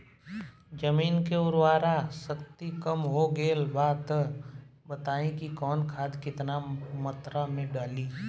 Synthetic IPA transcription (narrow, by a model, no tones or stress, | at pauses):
d͡ʒəmiːnkeʊɾwaːɾasɐkt̪ikəmɦoɡeːlbaːt̪ | bət̪aːẽkikɔːnkʰaːd̪kɪt̪namɐt̪ɾamẽɖaːliː